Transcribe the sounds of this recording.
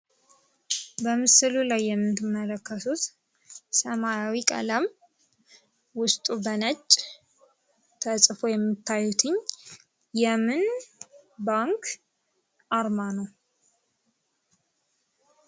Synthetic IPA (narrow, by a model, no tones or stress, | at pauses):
bəmɨsɨlulajːɛmːɨt̪ʰɨmːələkːəsut̪ | səmajawikʼə̰ləm | wʊst̪ʼubənət͡ʃʼː | t̪ʰəsʼfojɛmːɨt̪ʰːajut̪ʰɨɲ | jɛmɨn | baŋkʰ | ʔaɾmanəw